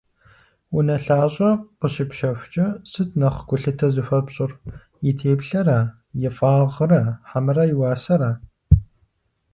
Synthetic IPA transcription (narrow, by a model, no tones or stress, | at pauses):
ʊnɐɬaːɕʼɐqʷəɕɪpʃɐɕʷt͡ʃʼɐsɨtʰnɐχʷɡʷʊɬɨtʰɐzɨfʷɐbɕʼɪr | jɪtʰeːpɬɐra | jɪfʼaːʁərɐħamɨrɐjiwɑːsɐɾa